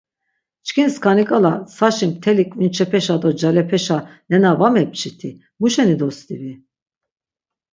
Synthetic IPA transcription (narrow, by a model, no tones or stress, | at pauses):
t͡ʃkʰinskʰanikʼalasaʃimt̪ʰɛlikʰʼvint͡ʃʰɛpʰɛʃad̪ɔd͡ʒalɛpʰɛʃanɛnavamɛp̚t͡ʃʰit̪ʰi | muʃɛnid̪ɔst̪ʼivi